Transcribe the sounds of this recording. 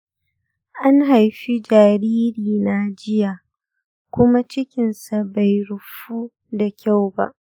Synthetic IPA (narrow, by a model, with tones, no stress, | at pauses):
ʔa˦ŋɦa˨jɸi˦d͡ʒaː˨ɾiː˦ɾiː˨na˦d͡ʒɪ˦ja˨ | kʷʊ˦ma˦t͡ʃɪ˦kʲɪ˨nsa˨ba˨jɽʊ˨ɸuː˦ | da˨kʲʰa˦˨wba̰˦ʔ